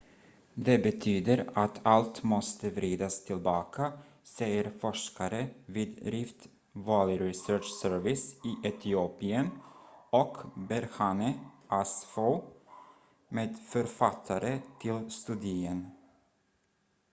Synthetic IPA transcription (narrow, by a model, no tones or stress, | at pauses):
d̪ɛbɛt̪ʰyːd̪əɾat̪ʰalt̪mɔst̪əvɾiːd̪ast̪ʰɪlbɑːkʰa | sɛjəɾfɔʂkaɾəviːd̪ɾɪft̪ | vɑːlɪɾɪsœːʂsœɾvɪsiːʔɛt̪ʰɪuːpɪənɔkbɛɾhɑnəʔasfoʊ | meːd̪fœɾfat̪ʰːaɾət̪ʰɪlst̪ʉd̪ɪən